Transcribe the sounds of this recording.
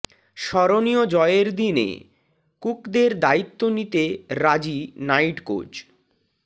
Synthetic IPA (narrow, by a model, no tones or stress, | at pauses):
ʃɔɾoniod͡ʑɔeeɾd̪inḛ | kukd̪eɾd̪ait̪ːonit̪eɾad͡ʑinajʈko̰d͡ʑ